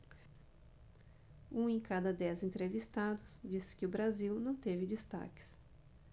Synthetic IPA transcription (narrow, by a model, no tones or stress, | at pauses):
ũẽkad̪ɐd̪ɛzẽnt̪ɾevist̪ad̪ʊsd͡ʒisɪ̥kɪʊbɾaziwnɐ̃w̃t̪evɪd͡ʒist̪a̰kɪ̥s